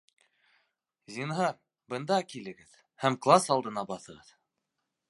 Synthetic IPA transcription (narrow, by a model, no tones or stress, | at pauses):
zʲinɦɑɾ | bɤ̆nd̪ɑkilɘ̆ɡɘð | hæmklˠasɑlˠd̪ɤ̆nɑbɑθɤ̆ʁɤð